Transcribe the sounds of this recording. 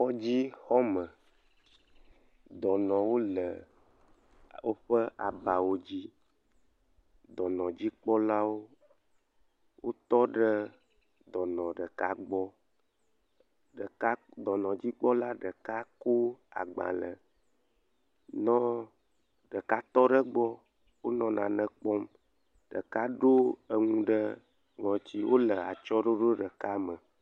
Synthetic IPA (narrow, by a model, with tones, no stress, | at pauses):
ɔ˦d͡ʑi˦xɔ˦mə˨ | d̪ɔ˨nɔ̃˨wo˦lə˨ | o˦ɸə˦ʔa˨ba˨wo˦d͡ʑi˦ | d̪ɔ˨nɔ̃˨d͡ʑi˦k͡pɔ˦la˦wo˦ | wʔo˦t̪ɔ˦ɖə˦ | d̪ɔ˨nɔ̃˨ɖə˨ka˦ɡ͡bɔ˦ | ɖə˨ka˦d̪ɔ˨nɔ̃˨d͡ʑi˦k͡pɔ˦la˦ɖə˨ka˦ko˦a̰˨ɡ͡bã̰˨lə˨ | nɔ̃˦ | ɖə˨ka˦t̪ɔ˦ɖə˦ɡ͡bɔ˦ | wo˦nɔ̃˨nã̰˨nə̃˨k͡pɔ˦m | ɖə̰˨ka˦ɖo˦ə˨ŋũ˦ɖə˦ | ŋɔ̃˨t͡ɕi˦wo˦lə˨a˨t͡ʃɔ˦ɖo˦ɖo˦ɖə˨ka˦mə˨